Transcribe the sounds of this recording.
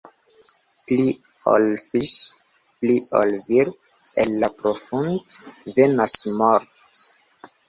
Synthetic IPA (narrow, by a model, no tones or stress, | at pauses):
pli | o̰lfis | pliʔo̰lviɾ | ḛlːapɾofundvenasmoɾt